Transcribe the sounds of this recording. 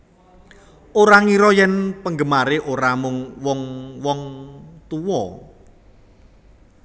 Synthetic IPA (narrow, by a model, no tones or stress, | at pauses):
ʔoɾaŋiɾɔjɛnpəŋɡəmaɾeʔoɾamʊŋwɔŋwɔŋt̪uwɔ